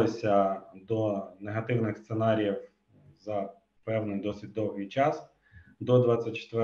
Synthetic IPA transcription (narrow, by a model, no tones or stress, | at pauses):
ɪsʲɐd̪ɔneɦɐt̪ɪwnɪxst̪senɑɾʲijiw | zɐ | pɛwnɪjd̪ɔsɪt̚ʲd̪ɔwɦijt͡ʃɑs | d̪ɔd̪ʋɑt͡sʲːɐt̚ʲt͡ʃe̥t̪ʋɪ